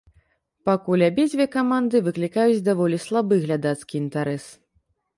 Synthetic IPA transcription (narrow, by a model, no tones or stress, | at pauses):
pakulʲabʲɛd͡zʲvʲɛkamand̪ɨvɨklʲikajut͡sʲd̪avɔlʲislˠabɨɣlʲad̪at̪skʲiint̪aɾɛs